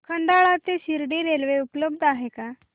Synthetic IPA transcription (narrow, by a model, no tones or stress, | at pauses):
kʰəɳɖaɭat̪eɕiɾɖiɾelʋeupləbd̪ʱaɦeka